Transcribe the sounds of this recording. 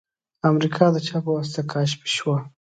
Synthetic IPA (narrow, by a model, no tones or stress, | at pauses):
amɾikʰɑd̪ət͡ʃɑpəwast̪akɑʃpi̥ʃwa